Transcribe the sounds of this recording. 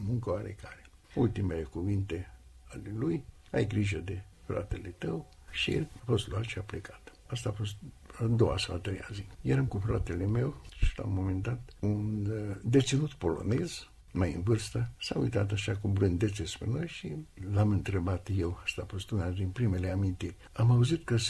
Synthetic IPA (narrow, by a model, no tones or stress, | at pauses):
muŋkəoaɾḛkaɾe | ult̪ime̞lekuvint̪e | aleluj | a̰jɡɾiʒəd̪e | fɾa̰t̪elet̪əw | ʃḭafo̞st̪luat̪ʃiaplekḁt̪ | ast̪aːfo̞st̪ | ad̪o̞wa̰sawat̪ɾeja̰zijeɾamkufɾat̪e̞le̞me̞wʃi̥la̰mo̞mend̪at̪und̪e̞t̪sinut̪po̞lo̞̰ne̞z̥ | majɨ̰nvɨrst̪əsaṵjt̪at̪̬aʃakubɾɨnd̪e̞t̪sespe̞no̞jʃilamɨnt̪ɾe̞bat̪jewast̪aːfo̞st̪unad̪inpɾime̞le̞amint̪irʲamauzit̪kə